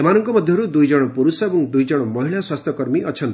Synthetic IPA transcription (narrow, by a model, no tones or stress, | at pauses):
emanɔŋkɔmʌd̪ʱjʌɦɾud̪ujd͡ʒʌɽ̃ɔpuɾusabuŋd̪ujd͡ʒʌɽ̃ɔmɔɦiɭaswast̪ʰɔkɔɾmiʔʌt͡ʃʰʌnt̪i